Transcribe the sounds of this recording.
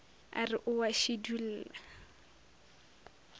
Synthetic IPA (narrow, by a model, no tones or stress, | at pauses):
a̰rɪʔʊwaʃidula